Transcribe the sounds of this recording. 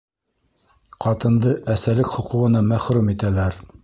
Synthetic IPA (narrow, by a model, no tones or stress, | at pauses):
qɑt̪ɤ̆nd̪ɤʔæsælɘkχŏquʁɤ̆nɑmæχɾʉmit̪ælæɾ